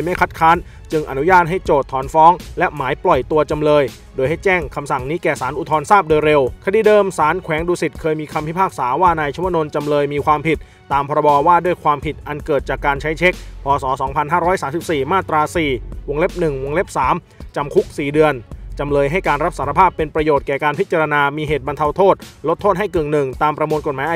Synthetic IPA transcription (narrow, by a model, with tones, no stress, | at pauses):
jma˥˩jkʰa˦˥t̪̚kʰaː˦˥n | t͡ɕɯ˧ŋʔa̰˨˩nu˦˥jaː˥˩t̪̚ɦa˥˩jt͡ɕoː˨˩t̪ʰːɔː˩˦nfɔː˦˥ŋlɛ˦˥maː˩˦jplɔ˨˩jt̪u˧ɐt͡ɕa˧mlɤː˧j | doː˧jha˥˩jt͡ɕɛː˥˩ŋkʰa˧msa˨˩ŋniː˦˥kɛː˨˩saː˩˦nʔu˨˩t̪ʰɔː˧nsaː˥˩p̚doː˧jɾe˧wkʰa˧diː˧dɤː˧msaː˩˦nkʰwɛː˩˦ŋduː˧si˨˩t̪̚kʰɤː˧jmiː˧kʰa˧mpʰi˦˥pʰaː˥˩k̚saː˩˦waː˥˩naː˧jt͡ɕʰu˧˦˥no˧nt͡ɕa˧mlɤː˧jmiː˧kʰwaː˧mpʰi˨˩t̪̚ːaː˧mpʰɔː˧ɾa˧bɔː˧waː˥˩du˥˩əjkʰwaː˧mpʰi˨˩t̪̚ʔa˧nkɤː˨˩t̪̚t͡ɕaː˨˩kːaː˧nt͡ɕʰa˦˥jt͡ɕʰe˦˥k̚pʰɔː˧sɔː˩˦sɔː˩˦ŋpʰa˧nɦaː˥˩ɾɔː˦˥jsaː˩˦si˨˩p̚siː˨˩maː˥˩t̪ɾaː˧siː˨˩wo˧ŋle˦˥p̚nɯ˨˩ŋwo˧ŋle˦˥p̚saː˩˦m | t͡ɕa˧mkʰu˦˥k̚siː˨˩dɯ˧ənt͡ɕa˧mlɤː˧jɦa˥˩jkaː˧nɾa˦˥p̚saː˩˦ɾa˧pʰaː˥˩pːe˧npɾa˧joː˨˩t̪̚kɛː˨˩kaː˧npʰi˦˥t̪̚t͡ɕa˧ɾa˧naː˧miː˧ɦeː˨˩t̪̚ba˧nt̪ʰa˧wt̪ʰoː˥˩t̪̚lo˦˥t̪ʰːoː˥˩t̪̚ha˥˩jkɯ˨˩ŋnɯ˨˩ŋt̪aː˧mpɾa˧mu˧nko˨˩t̪̚maː˨˦ʔa˧